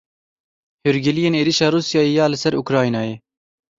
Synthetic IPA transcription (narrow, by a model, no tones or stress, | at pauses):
hyɾɡɪlijeːneːɾiʃɑːɾuːsijɑːjeːjɑːlɪsɛɾukɾɑːinɑːjeː